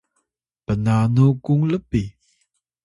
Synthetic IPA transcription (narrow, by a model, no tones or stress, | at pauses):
pənanukuŋləpi